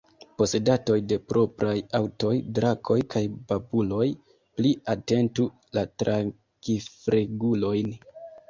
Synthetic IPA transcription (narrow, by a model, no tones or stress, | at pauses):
po̞se̞dato̞jde̞pɾo̞pɾajawto̞jdɾakʰo̞jkʰajbabulo̞j | pliate̞ntu | latɾʔaŋ | kifɾeɡulo̞jn